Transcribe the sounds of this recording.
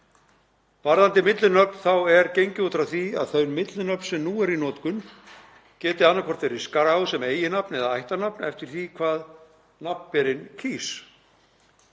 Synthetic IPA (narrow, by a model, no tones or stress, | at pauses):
paɾðant̪ɪmɪt̪lʏnœpn̥θawɛɾcejɲcɪut̪ɾaθia̰ðθœɥnmɪt̪lʏnœp̪sɛmnuːɛɾinɔːt̪kʏn | cɛːt̪ɪanːakʰvɔr̥t̪veɾɪ̥skaɾawsɛmeːjɪnapnɛðaajht̪anapnɛft̪ɪɾ̥θikʰvaːð | nap̪pɛɾɪncʰiːs